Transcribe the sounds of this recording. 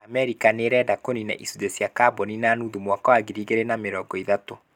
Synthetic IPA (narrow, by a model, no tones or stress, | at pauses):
amɛɾikaneɾɛdakonina̰ʔisudesjakabɔninaːnuðumwakawaɡiɾiɣeɾenameɾɔːɡɔiðato